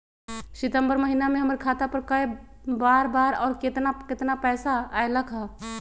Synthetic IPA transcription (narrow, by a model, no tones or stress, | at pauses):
sɪt̪ə̃mbəɾməɦinamẽɦɐməɾkʰaːt̪apəɾkəebaːɾbaːɾɔːɾkɪt̪nakɪt̪napɛːsaaːeləkʰɦa